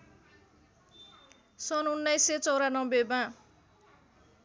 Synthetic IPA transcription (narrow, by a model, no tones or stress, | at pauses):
sʌnunːajset͡sʌwɾanʌbebã